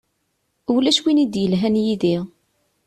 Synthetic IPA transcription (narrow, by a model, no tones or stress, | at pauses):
uwlæʃwinid̪jəlɦænjiðiʁ